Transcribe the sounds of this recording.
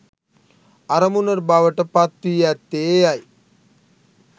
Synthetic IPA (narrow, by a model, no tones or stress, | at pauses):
aɾəmunəɾbaʋəʈəpat̪ːiːæt̪ːejaj